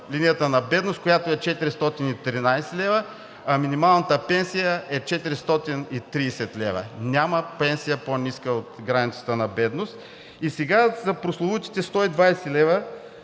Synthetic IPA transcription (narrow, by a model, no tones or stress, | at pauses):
lʲinijət̪ənɐbɛd̪nost̪̚kojat̪oɛt͡ʃɛt̪iɾist̪ɔt̪init̪ɾinajsɛlɛvə | ɐminimalˠnət̪əpɛnsijəɛt͡ʃɛt̪iɾist̪ɔt̪init̪ɾisɛt̪lʲɛvə̰nʲaməpɛnsijəponiskəot̪ɡɾanit̪sə̥t̪ənɐbɛd̪nost̪ | isɛɡazɐpɾoslˠovut̪i̥t̪ɛst̪ɔid̪vajsɛlɛvə